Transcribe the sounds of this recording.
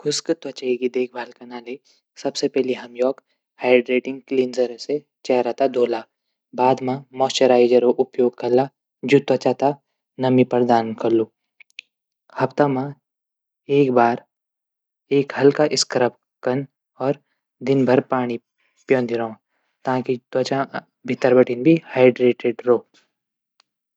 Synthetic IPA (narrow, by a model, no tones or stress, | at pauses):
kʰʊskət̪wɐt͡ʃaeɡid̪eːk̚ʰbʱaːlkanaːle | sɐbsepɛɦliɦɐmjɔːk | haːɪɖɾeːʈɪ̃ŋɡ̚kliːnzɐɾse | t͡ʃɛːɾat̪ad̪ʱoːlaː | baːd̪mãmɔːst͡ʃəɾaːɪd͡ʒəɾoʔʊpjoːɡ̚kɐɾla | d͡ʒut̪ʋɐt͡ʃaːt̪a | nɐmipɐɾd̪aːnkɐɾluː | hɐpt̪amã | eːkbaːɾ | eːkhɐlkaʔɪskɾəp | kɐn | ɔːɾ | d̪ɪnbʱɐɾpaːɽ̃i | pjõːnd̪iɾɐõ | t̪ãːkit̪wɐt͡ʃã | bʱɪt̪ːəɾbɐʈinbʱihaːɪɖɾeːʈeɖɾoː